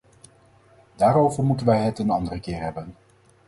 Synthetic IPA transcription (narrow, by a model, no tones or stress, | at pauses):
d̥aːɾowvəɹmutənʋɛjɦətənɑndərəkɪːɹɦɛbən